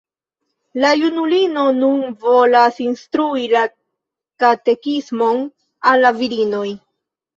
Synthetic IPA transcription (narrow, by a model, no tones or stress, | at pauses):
lajunulino̞nunvo̞lasinstɾuila | kate̞kismo̞n | alːaviɾino̞j